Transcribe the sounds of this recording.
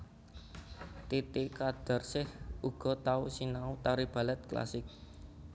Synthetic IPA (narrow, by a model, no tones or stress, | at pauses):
t̪et̪ekad̪̥a̤rsɪhuɡ̥ɔ̤t̪ausinaut̪aɾib̥a̤lɛt̪̚kla̰sɪk̚